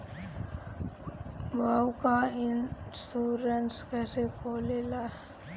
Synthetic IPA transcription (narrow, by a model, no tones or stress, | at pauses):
ʋawkaɪnsuːɾənskɛːsekʰoːlela